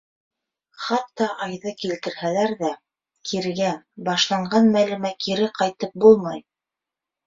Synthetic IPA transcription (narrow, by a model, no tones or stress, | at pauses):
χɑt̪ːɑʔɑjðɤkilt̪ɘ̆ɾhælæɾðæ | kʰiɾɡæbɑʃlˠɑɴɢɑnmælɘ̆mækʰiɾɘqɑjt̪ɤp̚bulˠmɑj